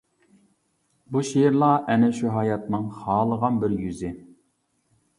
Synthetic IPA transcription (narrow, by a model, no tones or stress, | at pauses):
buʃiɾlˠɑʔɛnɛʃuɦɑːjɑt̪nɨŋχɑːlˠəʁɑnbɪɾjyzɪ